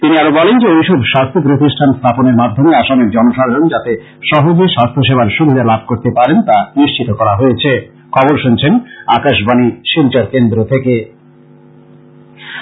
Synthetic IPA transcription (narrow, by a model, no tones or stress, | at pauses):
t̪iniaɾobɔlend͡ʑeejʃɔbʃast̪ʰop̬ɾot̪̬iʃʈʰanst̪ʰaponeɾmad̪ʱːomeaʃamekd͡ʑɔnoʃaɾd͡ʑond͡ʑat̪e | ʃɔɦod͡ʑiʃast̪ʰoʃebʱaɾʃubʱid̪ʱalab̚ʱkoɾt̪epaɾent̪aniʃt͡ɕit̪okɔɾaɦojet͡ɕʰe | kʰɔboɾʃunt͡ɕʰenakaʃbaniʃilt͡ɕaɾkend̪ɾot̪ʰeke